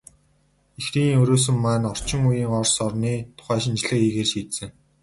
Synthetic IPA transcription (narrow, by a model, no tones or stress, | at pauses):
exriːŋɵɾoːs̬ɵ̆mːæːnɔr̥t͡ɕɪ̆ŋujiːŋɔrsɔrniːt̪ʰʊ̥χæːʃɪ̆nt͡ɕɮɘ̆kiːɣeːrʃiːt̪sɘ̆ŋ